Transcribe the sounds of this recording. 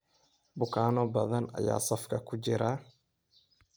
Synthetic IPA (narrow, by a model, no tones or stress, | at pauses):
bʊkʰaːnɔbɐðɐnɐ̰ja̰ːsɐfkʰɐkʰʊt͡ʃɪɾa